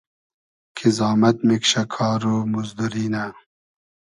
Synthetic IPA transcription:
kʰizɑːmɐt̪mikɕɐkʰɑːɾumuzd̪uɾiːna

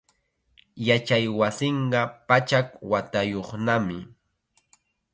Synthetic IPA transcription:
jat͡ʃajwasɪɴɢɑpat͡ʃakwat̪ajoχnamɪ

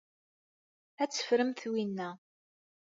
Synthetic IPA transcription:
æt͡sːə̥fɾəmθwinːæ

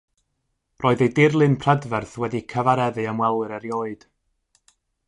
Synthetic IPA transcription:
rʔoːɨðejdɪrlˠɨnpʰr̥ɛdvɛrθwɛdikʰəvaɾɛðɨəmwɛlˠɨɾəɾjoːɨd̥

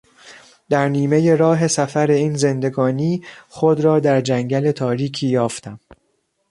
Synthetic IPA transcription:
d̪̥æɾniːme̞je̞ɾɒːɦe̞sæfæɾe̞iːnze̞nd̪e̞ɡɒːniːxod̪ɾɒːd̪æɾd͡ʒæŋɟæle̞t̪ʰɒːɾiːkʰiːjɒːft̪æm

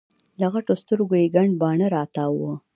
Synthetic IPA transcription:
laɣaʈost̪əɾɡojeɡaɳɖbɑɳəɾɑt̪ɑwə

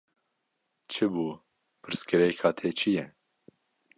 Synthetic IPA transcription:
t͡ʃʰɨbuː | pʰɨɾskɨɾɛkʰaːt̪ʰeːt͡ʃʰijɛ

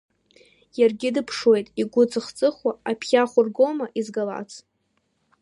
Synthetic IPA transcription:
jarɡʲɪdɨpʰʂwe̞jtʼiɡʷʊt͡sʼɨχt͡sʼɨχwaapʰχʲaχʷʊrɡomaʔizɡala̰t͡sʰ

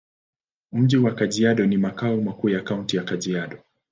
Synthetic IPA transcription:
m̩ʄiwakaʄiaɗɔnimakaumakuːjakauntijakaʄiaɗɔ

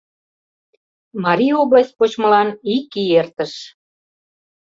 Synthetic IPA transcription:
mɑɾʲioβlɑs̚ʲpot͡ɕmə̆lɑnikiert̪ə̆ʃ

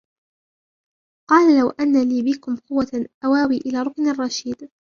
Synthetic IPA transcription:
qɑːlalawʔanːaliːbɪkʊmqʊwːaʔawaːwiːʔɪlaːɾˤʊknarˤːɑʃiːd̪

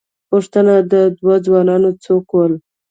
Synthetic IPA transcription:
pʊʂt̪ənad̪əd̪wad͡zwɑnɑnot͡sokwəl

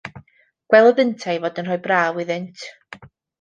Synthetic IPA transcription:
ɡ̥wɛlˠəðəntʰajvɔːdənrɔjbraːwɪðɪntʰ

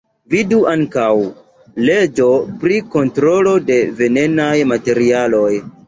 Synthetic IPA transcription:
viduʔaŋkaw | le̞d͡ʒo̞pɾiko̞ntɾo̞lo̞de̞ve̞ne̞najmate̞ɾialo̞j

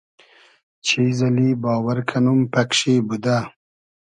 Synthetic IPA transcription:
t͡ʃʰiːzɐliːbɑːwɐɾkʰɐnumpɐkʂiːbud̪a

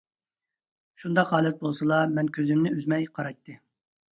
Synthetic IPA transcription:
ʃund̪ɑqɦɑːlˠɛt̪̚bolˠsɨlˠɑmɛnkʲʰøzɪmnɪøzmɛjqʰɑɾɑjt̪ːɨ

